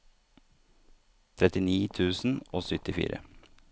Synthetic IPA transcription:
t̪ʰɾɛt̪ɪniːt̪ʰʉːsn̩oːsʏt̪ɪfḭːɾə̰

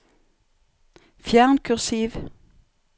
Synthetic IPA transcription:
fjæːʁnkʰʉʁsiːʋ

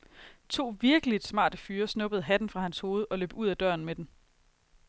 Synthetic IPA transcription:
t͡sʰo̝̰ːʋiɐɡ̥əlid̥smɑ̰̈ːd̥əfyːɐsnɔ̽b̥əð̩ˠɦæd̥n̩fʁɑ̈hænsho̝ːð̞̩ˠʔɒ̽lø̰ːb̥uð̞̰ˠæd̥ɶ̰ɐn̩med̥em

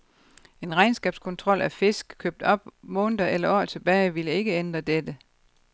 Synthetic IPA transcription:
e̝nʁɑ̈ɪnsɡ̥ɛːb̥skʰɔ̽nt͡sʰʁɒ̽l̰ʔæfe̝sɡ̥kʰøb̥̚d̥ɒ̽b̥mɔ̽ːnd̥ɐelɐɒ̰ːt͡sʰe̝b̥ɛːɪʋiləe̝ɡ̥əend̥ʁɐd̥ed̥ə

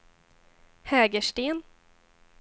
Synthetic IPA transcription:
hɛːɡəʂʈeːn

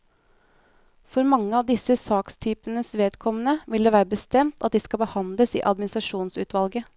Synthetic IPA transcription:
fɔɾmɑŋːəɑʋd̪ɪsəsɑːkst̪ʰyːpənəsʋeːd̪kʰɔmənəʋɪld̪eːʋæːɾəbəst̪ɛmt̪ʰɑt̪̚d̪ɪskɑlbəhɑnd̪ləsḭːʔɑd̪mɪnɪst̪ɾɑʂuːnsʉːt̪ʋɑlɡə

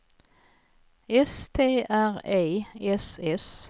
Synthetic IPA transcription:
ɛst̪ʰeːʔæʁeːɛsɛs

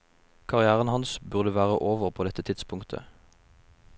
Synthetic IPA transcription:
kʰɑʁɪæːʁənhɑnsbʉʁd̪əʋæːʁəʔoːʋəʁpʰoːd̪ɛt̪ːət̪ʰɪd̪spʰʊŋkt̪ʰə̰

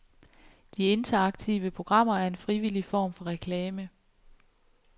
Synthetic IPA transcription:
d̥ie̝nt͡sʰɐɑ̈ɡ̥t͡sʰḭːʋəpʰʁo̝ɡ̥ʁɑ̈m̰ɐæɐe̝nfʁiʋilifɒ̰ːmfɒ̽ʁɛkʰlɛːmə

